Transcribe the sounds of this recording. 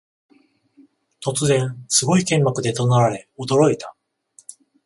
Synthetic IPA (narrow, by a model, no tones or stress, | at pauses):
t̪o̞t͡sɨzẽ̞ñsɨɡo̞ikẽ̞mːakɯ̟d̪e̞t̪onaɾaɾe̞od̪o̞ɾo̞it̪a